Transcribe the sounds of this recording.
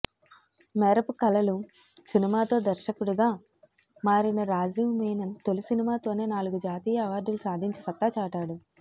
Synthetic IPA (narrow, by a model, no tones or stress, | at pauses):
mɛːɾɐpukɐlɐlu | sinimaːt̪o̞ːd̪ɐɾʃɐkuɽuɡaː | maːɾinɐɾaːd͡ʒimmeːnɐnt̪o̞lusinimaːt̪o̞ːne̞ːnaːluɡud͡ʒaːt̪iːjɐɐʋaːɾd̪ulusaːd̪ʱiɲt͡ʃisɐt̪ːaːt͡ʃaːʈaːɽu